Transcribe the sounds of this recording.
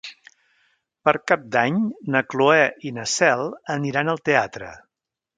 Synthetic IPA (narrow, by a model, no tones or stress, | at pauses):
pəɾkap̚d̪aɲnəkluɛʔinəsɛlˠəniɾanəlˠt̪eat̪ɾə̰